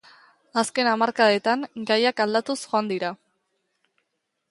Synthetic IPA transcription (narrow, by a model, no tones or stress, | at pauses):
aske̞namaɾkaet̪aŋɡajakald̪at̪usxo̞and̪iɾa